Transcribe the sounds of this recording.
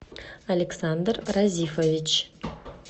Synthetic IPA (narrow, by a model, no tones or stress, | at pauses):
alʲeksand̪ɾɾazʲifovɪt͡ʃ